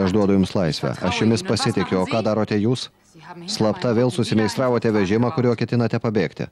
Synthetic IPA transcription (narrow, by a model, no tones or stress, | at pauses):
ɐʒd̪uɔd̪ʊjʊmslˠɐɪsʲʋʲɛ̰ʔɐʃjʊmʲɪspɐsʲɪt̪ʲɪkʲʊoːkɑːd̪ɑːɾoːt̪ʲɛjuːs | slˠɐpt̪ɐʋʲeːlˠsʊsʲɪmʲɛɪst̪ɾɑːʋoːt̪ʲɛʋʲɛʒʲɪmɑːkʊɾʲoːkʲɛt̪ʲɪnɐt̪ʲɛpɐbʲeːkt̪ʲɪ̰